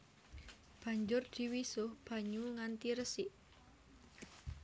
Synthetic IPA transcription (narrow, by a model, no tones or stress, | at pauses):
b̥a̤ɲd͡ʒʊrd̪̥i̤wisʊhb̥ä̤ɲuŋant̪iɾəsiʔ